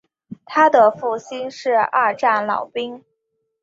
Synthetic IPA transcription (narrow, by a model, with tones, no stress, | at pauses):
t̪ʰa˥d̪ə˨fu˥˩ɕi˥nʂɻ̩˥˧a̰˥˧ʈ͡ʂa˥˩nlɑ̰˨˩ʊpi˥ŋ